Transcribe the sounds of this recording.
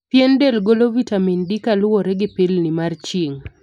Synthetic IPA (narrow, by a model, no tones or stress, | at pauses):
pjendɛlɡolovitamindikalwɔɾɛɡɪpɪlnɪmart͡ʃiŋ